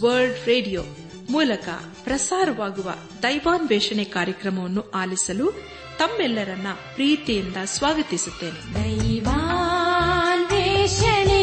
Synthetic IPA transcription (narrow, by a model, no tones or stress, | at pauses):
ʋɐɾlɖɾeːɖijoː | muːlɐkɐ̰ | pɾɐsaːɾɐʋaːɡuʋɐ̰ | d̪ɐjʋaːnʋɛːʂɐɳɛkaːɾjɐkɾɐmɐʋɐnːuaːlisɐlu | t̪ɐmːɛlːɐɾɐnːɐpɾiːt̪ijind̪ɐsʋaːɡɐt̪isut̪ːe̞ːned̪ɐjʋa | nʋɛʃɐne